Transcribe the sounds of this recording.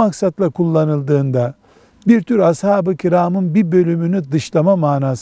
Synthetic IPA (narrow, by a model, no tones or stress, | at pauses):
aksat̪lˠakʰulˠːanɯlˠd̪ɯːnd̪a | biɾt̪ʰyɾashaːbɯcʰiɾaːmɯnbibø̞lʲymynyd̪ɯʃlˠamamaːnaːs